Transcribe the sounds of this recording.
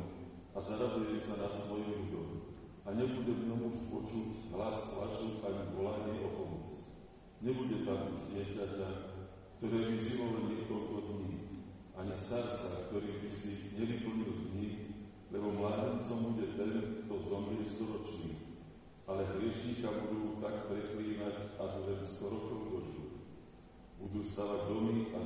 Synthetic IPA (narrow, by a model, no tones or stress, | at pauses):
azaɾad̪ujɛsanat̪sʋɔjimluɟɔm | aɲɛbuɟɛvɲɔmuʃpɔt͡ʃuɟɦlasp̪la̰t͡ʃuaɲiʋɔlaɲɛʔɔpɔmɔt͡s | ɲɛbuɟɛt̪amuʒɟɪɛcaca | kt̪ɔɾɛːʋiʒiʋɔlɲɪɛkɔlkɔd̪ɲiː | ʔaɲɛst̪aɾt͡sakt̪ɔɾiːb̪isiɲɛʋipl̩ɲild̪ɲiː | lɛbɔmlaːɟɛnt͡sɔmbuɟɛt̪ɛnkt̪ɔzɔmiɛst̪ɔɾɔt͡ʃniː | alɛɦɾɪɛʃɲiːkabud̪uːt̪akpɾɛkliːʋacakɔlɛnst̪ɔɾɔkɔʊd̪ɔʒb̪u | bud̪uːst̪aːʋaɟd̪ɔmia